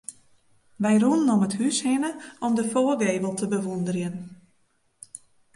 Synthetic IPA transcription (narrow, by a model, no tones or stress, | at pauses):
ʋɛjrunənɔməthyshɪnəɔmdəfoːɡeːvəlˠtəbəʋundərjən